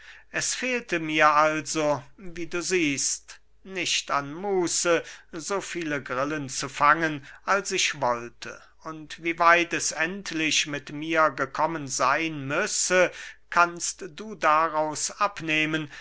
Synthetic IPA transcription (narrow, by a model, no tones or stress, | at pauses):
ʔɛsfeːltəmiːɐʔalzoviːduːziːst | nɪʃtanmuːsəzoːfiːləɡʁɪlənt͡sufaŋənʔalsɪʃv̥ɔltʰə̰ | ʊntv̥iːvaɪtɛsɛntʰlɪʃmɪtmiːɐɡəkʰɔmənzaɪnmʏsəkʰanstd̥uːdaʁaʊsʔapneːmən